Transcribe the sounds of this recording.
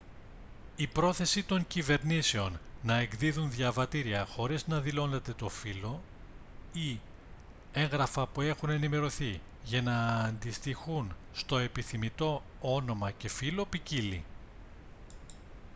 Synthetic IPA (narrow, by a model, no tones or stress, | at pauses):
ipɾo̞θe̞sit̪o̞ɲcive̞ɾnise̞o̞nːɐe̞ɡðiðunðʝɐvɐt̪iɾiɐxo̞ɾiznɐðilo̞ne̞t̪e̞t̪o̞filo̞ | i | e̞ŋɣɾɐfɐpue̞xune̞nime̞ɾo̞θi | ʝɐnɐːnd̪ist̪ixunst̪o̞e̞piθimit̪o̞ | ono̞mɐce̞filo̞picili